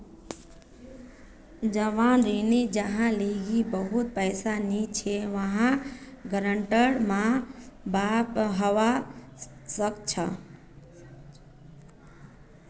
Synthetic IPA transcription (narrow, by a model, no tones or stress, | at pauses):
d͡ʒəʋanɾinid͡ʒəɦãleɡibəɦut̪̚pəjsanit͡ʃʰeʋəɦãɡəɾəɳʈəɾmãbapɦəʋa | səkt͡ʃʰə